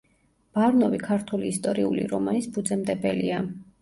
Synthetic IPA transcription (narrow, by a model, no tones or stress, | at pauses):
b̥aɾnɔvikʰaɾt̪ʰuliːst̪ʼɔɾiulḭɾɔmanisbud̪zɛmd̪ɛbɛlia